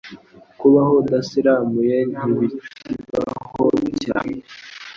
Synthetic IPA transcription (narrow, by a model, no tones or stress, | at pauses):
kuβaɦodasiɾamujeiɡit͡ʃiɡa̰hoca̰ːne